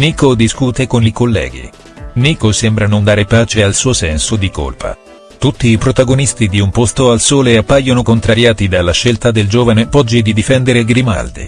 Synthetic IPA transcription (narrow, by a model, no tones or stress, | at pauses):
niːkod̪iskuːt̪ekonikolːɛ̰ːɡḭ | niːkosembɾanond̪aːɾepaːt͡ʃealsuːosɛnsod̪iko̰lpʰa̰ | t̪ut̪ːiːpɾot̪aɡonist̪id̪iumpost̪oalsoːleapːajːonokont̪ɾaɾjaːt̪id̪alːaʃːelt̪ad̪eld͡ʒoːvanepɔd͡ʒːid̪id̪ifɛnd̪eɾeɡɾima̰ld̪ḭ